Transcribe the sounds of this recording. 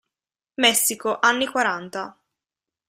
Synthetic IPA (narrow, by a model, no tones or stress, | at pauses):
mɛsːikoʔanːikwaɾant̪a